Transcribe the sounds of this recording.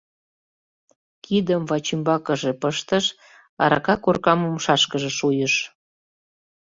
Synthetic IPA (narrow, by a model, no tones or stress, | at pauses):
kʰid̪əmvɑt͡ɕimbɑkəʒepəʃt̪əʃ | ɑ̰ɾɑ̰kɑkorkɑmumʃɑʃkəʒeʃujəʃ